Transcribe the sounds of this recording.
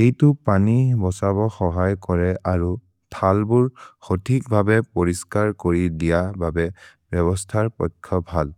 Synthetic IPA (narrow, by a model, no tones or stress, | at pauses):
xejtupanibɔsabɔxɔɦajkɔɹɛʔaɹu | tʰalbuɹxotʰik̚bʱabɛpoɹiskaɹkoɹidijababɛbjɔβɔstʰaɹpɔjkʰːɔbʱal